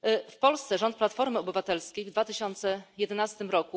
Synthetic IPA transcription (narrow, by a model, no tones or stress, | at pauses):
fpɔlst̪sɛʐɔnt̪plat̪fɔɾmɘɔbɘvat̪ɛlskʲejvd̪vat̪ɘɕɔnt̪sɛjɛd̪ɛnast̪ɘmɾɔku